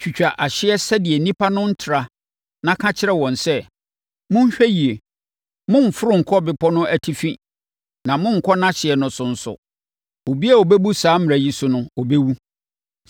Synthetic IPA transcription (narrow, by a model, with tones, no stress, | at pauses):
t͡ɕᶣu˨t͡ɕᶣa˨ʔa˨ɕɪ˦ɛ˦sɛ˦dɪ˨ɛ˨nĩ˦pʰa˦nʊ̃˦n̩˦tʰɪ˨ɾa˨ | nã˦kʰã˦t͡ɕʰɪ˦ɾɛ˦wɔ̃˨nsɛ˦ | mʊ̃˦n˦ɕᶣɛ˦ji˨e˨ | mʊ̃˦ɱ̩˨fʊ˦ɾʊ̃˦ŋ̩˨kʰɔ˦bɪ˨pʰɔ˦nʊ̃˦ʔæ˨tʰi˦fĩ˦ | nã˨mʊ̃˦ŋ̩˨kʰɔ˦nã˦ɕɪ˨ɛ˨nʊ̃˨sʊ˨n̩˨sʊ̰˨ | o˨bi˦a˦˨o˨be˦bu˦saː˨˦mɪ̃˨æ˨ji˦sʊ˦nʊ̃˦ɔ˨be˦wu˦